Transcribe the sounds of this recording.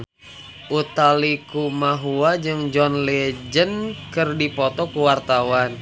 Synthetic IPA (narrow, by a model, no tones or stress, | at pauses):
ʔut̪alikumaɦuad͡ʒɨŋd͡ʒɔnlɛd͡ʒənkɨrdipɔt̪ɔkuwart̪awan